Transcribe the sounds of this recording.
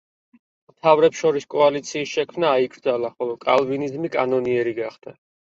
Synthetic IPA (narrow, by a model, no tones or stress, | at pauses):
mt̪ʰavɾɛpsʃɔɾiskʼɔalit̪sʰiːsʃɛkʰmnaːiɡɾd̪zalaχɔlˠɔkʼa̰lˠvinizmikʼanɔniɛɾiɡaχd̪̥a